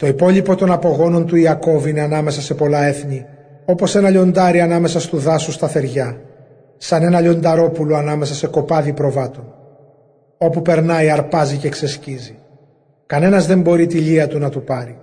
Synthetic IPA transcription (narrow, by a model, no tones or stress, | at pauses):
t̪o̞ipo̞ʎipo̞t̪onɐpo̞ɣo̞no̞nt̪uiɐko̞vine̞ɐnɐme̞sɐse̞po̞lɐe̞θɲi | o̞po̞se̞nɐʎo̞nd̪ɐɾiɐnɐme̞sɐst̪uðɐsust̪ɐθe̞ɾʝɐ | sɐne̞nɐʎo̞nd̪ɐɾo̞puloɐnɐme̞s̬ɐse̞ko̞pɐðipɾo̞vɐt̪o̞n | o̞pupe̞ɾnɐiɐɾpɐzice̞ːksescizi | kɐne̞nɐzðe̞mbo̞ɾit̪iʎiɐt̪unɐt̪upɐɾi